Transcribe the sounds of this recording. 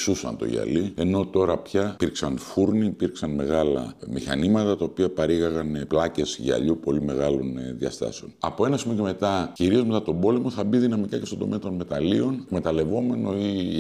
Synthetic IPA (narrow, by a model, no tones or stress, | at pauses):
susɐ̰nt̪o̞̰ʝɐ̰lie̞no̞t̪o̞ɾɐpçɐiɾksɐnfuɾniːpiɾksɐnme̞ɣɐlɐ̰mixɐ̰nimɐt̪ɐt̪ɐopiɐpɐɾiɣɐɣɐnplɐce̞sʝɐ̰ʎupo̞lime̞̰ɣɐlo̞̰nðjɐ̰st̪ɐ̰se̞o̞nɐpo̞e̞nɐsimoce̞me̞t̪ɐciɾio̞zme̞t̪ɐt̪o̞bo̞le̞mo̞θɐbiðinɐmikɐce̞st̪od̪o̞me̞ɐt̪o̞nme̞t̪ɐlio̞nkme̞t̪ɐle̞vo̞me̞no̞i